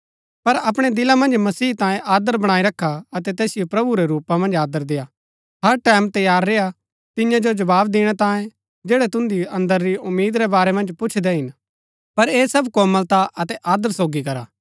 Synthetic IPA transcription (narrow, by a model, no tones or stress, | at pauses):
pɐɾɐpɽ̃ɛd̪ɪlamɐ̃nd͡ʒmɐsiːt̪ãːjẽʔaːd̪əɾbɐɽ̃aːiɾɐkʰːaɐt̪ɛt̪ɛːsɪjopɾɐbuɾɛɾuːpamɐ̃nd͡ʒaːd̪əɾd̪eːa | ɦɐɾʈɛːmt̪ɐjaːɾːeːa | t̪ɪjãd͡ʒod͡ʒɐbaːbd̪ɪɽ̃ɛt̪ãːjẽ | d͡ʒeːɽɛt̪ʊ̃nd̪iɐ̃nd̪əɾːiʊmːiːd̪ɾɛbaːɾɛmɐ̃nd͡ʒpʊt͡ʃʰd̪ɛɦɪn | pɐɾeːsɐbkoːməlt̪aʔɐt̪ɛʔaːd̪əɾsoːɡikɐɾa̰ː